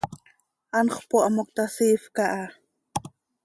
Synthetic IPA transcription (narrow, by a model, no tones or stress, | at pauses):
ʔɑnχpoʔɑmok̚t̪asifkaʔa